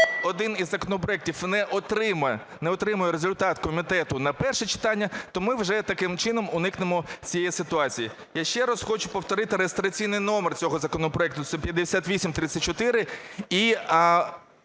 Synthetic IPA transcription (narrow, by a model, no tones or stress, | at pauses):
ɔd̪ɪnizːɐkɔnɔpɾɔɛk̚tʲiwnɛʔɔt̪ɾɪm | nɛɔt̪ɾɪmʊjɛɾezʊlʲt̪ɑt̪kɔmʲit̪ɛt̪ʊnɐpɛrʃɛt͡ʃɪ̥t̪ɑnʲːɐt̪ɔmɪwʒɛt̪ɐkɪmt͡ʃɪnɔmʊnɪknɪmɔt͡sʲijɛjɛsɪt̪ʊɑt͡sʲiji | jaʃt͡ʃɛɾɐsxɔt͡ʃʊpɔwt̪ɔɾɪt̪ɪɾeest̪ɾɐt͡sʲijnɪjnɔmert͡sʲɔɦɔzɐkɔnɔpɾɔɛk̚t̪ʊt̪sɛpʲjɐd̪ːesʲat̪ʋʲisʲimt̪ɾɪt̪sʲɐt̚ʲt͡ʃɔt̪ɪɾɪi